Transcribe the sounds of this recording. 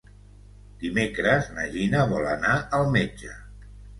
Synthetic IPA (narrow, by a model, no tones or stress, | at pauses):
d̪̥imekɾəznəʒinəβɔlə̰naʔəlˠmed͡ʒə